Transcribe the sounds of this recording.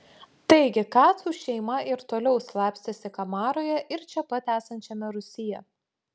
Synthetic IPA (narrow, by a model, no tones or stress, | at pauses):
t̪ɐɪɡʲɪkɑːt̪suːʃʲɛɪmɐɪɾt̪oːlʲɛʊslˠɑːpʲsʲt̪ʲɛsʲɪkɐmɑːɾoːjɛʔɪɾt͡ʃʲɛpɐt̪ʲæːsɐnʲt͡ʃʲɛmʲɛɾʊsʲɪjɛ